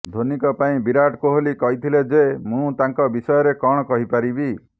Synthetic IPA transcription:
d̪ʱonikɔpaĩbiɾaʈkoɦolikɔɦit̪ʰiled͡ʒemũt̪aŋkɔbisɔjɔɾekɔɽ̃ɔkɔɦipaɾibi

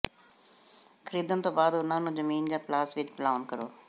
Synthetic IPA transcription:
kʰəɾiːd̪ənt̪õːbaːd̪ʊnãːnũːzəmiːnd͡ʒãːplaːsʋɪt͡ʃplaːnkəɾo̰ː

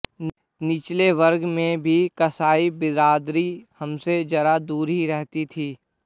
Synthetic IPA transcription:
nɪt͡ʃleʋɐɾɡmẽbʱikɐsaːibɪɾaːd̪ɾihɐmsed͡ʒɐɾad̪uːɾɦiɾɛɦt̪it̪ʰiː

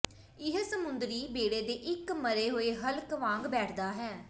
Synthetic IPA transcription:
ɪɦsəmʊnd̪ɾiːbeːɽeːd̪eːʔɪkməɾeːɦoːeːɦəlkʋãːŋɡbɛːʈʰd̪aːɦɛː

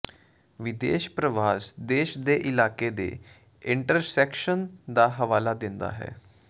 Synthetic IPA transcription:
ʋɪd̪ḛːʃpɾəʋaːsd̪eːʃd̪eːʔɪlaːkeːd̪ḛː | ɪɳʈəɾsɛːkʃənd̪aːɦəʋaːlaːd̪ɪnd̪a̰ːɦɛ̰ː

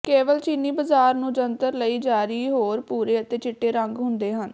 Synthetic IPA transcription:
keːʋəlt͡ʃiːniːbəzaːɾnũːd͡ʒənt̪əɾləiːd͡ʒaːɾiːɦoːɾpuːɾeːət̪eːt͡ʃɪʈːeːɾə̃ŋɡɦʊnd̪eːɦən

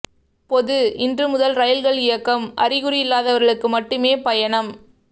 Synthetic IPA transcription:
pɔðɯʔɪndrɯmʊðɐlɾɐjɐlɣɐɭɪjɐkːɐmʔɐ̰rɪɣɯrijɪlːaːðɐʋɐɾɣɐɭɯkːɯmɐʈːɯmeːpɐjɐɳɐm

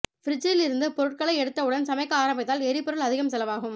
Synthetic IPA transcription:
fɪɾɪd͡ʒɐjɪlɪɾɯnd̪ɯpɔɾɯʈ̚kɐɭɐɪɛɽɯt̪ːɐʊɽɐnsɐmɐɪkːɐaːɾɐmbɪt̪ːaːlɛɾipɔɾɯɭɐðɪɣɐmsɛlɐʋaːɣɯm

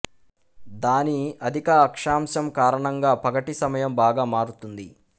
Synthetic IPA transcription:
d̪aːniɐd̪ʱikɐɐkʂaːmʃɐmkaːɾɐɳɐŋɡaːpɐɡɐʈisɐmɐjɐmbaːɡaːmaːɾut̪und̪i

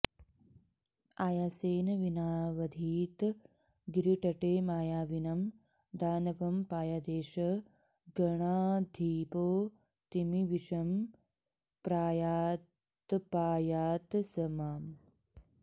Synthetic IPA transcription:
aːjaːseːnɐʋinaːʋɐd̪ʱiːt̪ | ɡɾiʈɐʈeːmaːjaːʋinɐm | d̪aːnɐpɐmpaːjaːd̪eːʃɐ | ɡɐɳaːd̪ʱiːpoː | t̪imiʋiʃɐm | pɾaːjaː | t̪paːjaːt̪sɐmaːm

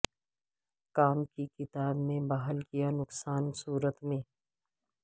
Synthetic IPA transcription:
kaːmkikɪt̪aːbmẽbaːɦəlkijanʊksaːnsuːɾət̪mẽː

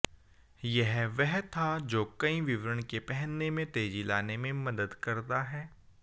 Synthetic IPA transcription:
jɛɦʋɛɦt̪ʰad͡ʒoːkɐĩʋɪʋɾəɳ̃kepɛɦənːemẽt̪eːd͡ʒilaːnemẽmɐd̪əd̪kɐɾt̪aɦɛː

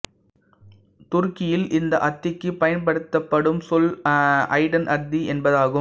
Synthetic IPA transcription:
t̪ʊɾkɪjɪlɪnd̪ɐʔɐt̪ːɪkːɯpɐjɐnpɐɽɯt̪ːɐpːɐɽɯmsɔlɐ̰ɪɽɐnʔɐɾd̪iɛnbɐðaːɣɯ

